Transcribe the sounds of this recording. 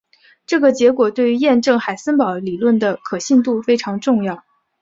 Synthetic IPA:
ʈ͡ʂɤ˥˩ɡə˩t͡ɕjɛ˧˥kwɔ˨˩t̪we˥˩y˧˥jɛ˥˧nʈ͡ʂɤ˥˩ŋxa˨˩ɪsə˥npɑ˨˩˥ʊli˨˩lwə˥˩nd̪ə˩kʰɤ˨˩ɕi˥˧nt̪u˥˩fe˥ɪʈ͡ʂʰɑ˧˥ŋʈ͡ʂʊ˥˧ŋjɑ˥˩ʊ

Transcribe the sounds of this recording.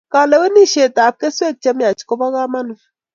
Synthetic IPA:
ka˨lɛ˨˦we˦ni˦ʃe˨ta˨p̚ke˦se˦t̚t͡ʃɛ˦mja˨t͡ʃko˦ba˦ka˦ma˦n˨

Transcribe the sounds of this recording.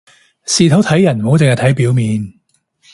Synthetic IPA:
siː˧t̪ʰɐ˨˥wt̪ʰɐ˨˥jːɐ˨˩nmo˨˥wt͡sŋhɐ˧t̪ʰɐ˨˥jpiː˨˥wmiː˨˧n

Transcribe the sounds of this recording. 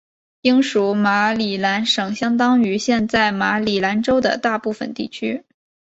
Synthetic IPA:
i˥ŋʂu˧˥ma˧˥li˨˩la˧˥nʂɤ˨˩ŋɕjɑ˥ŋt̪ɑ˥ŋy˧˥ɕjɛ˥˧nt͡sa˥˩ɪma˧˥li˨˩la˧˥nʈ͡ʂo˥ʊd̪ə̰˨t̪a˥˧pu˥˩fə̰˨˩nt̪ḭ˥˩t͡ɕʰy˥

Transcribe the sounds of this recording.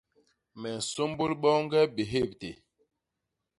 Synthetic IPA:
mɛ˨n̩˨so˦mbo˦lɓɔ˦ŋ˦ɡɛ˦be˨ɦe˦˨p̚te˨

